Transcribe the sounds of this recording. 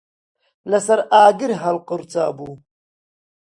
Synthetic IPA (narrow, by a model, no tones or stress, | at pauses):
lɐsɐɾaːɡiɾɦɐlqʊɾt͡sa̰ːbuː